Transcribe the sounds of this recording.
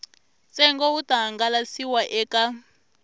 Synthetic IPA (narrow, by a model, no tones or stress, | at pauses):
t͡sʼɛŋɡɔutaɦaŋɡalasiwaʔɛkʼa